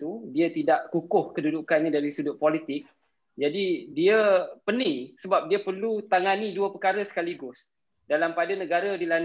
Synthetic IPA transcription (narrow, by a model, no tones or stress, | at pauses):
t̪udiat̪idaʔkukʊhkədudukanidaɾisudʊʔ̚polit̪ɪk̚ | d͡ʒadidiəpənisəbap̚diapərlut̪aŋaniduəpəkaɾəsə̥kaliɡʊs | dalampadanəɡaɾədilan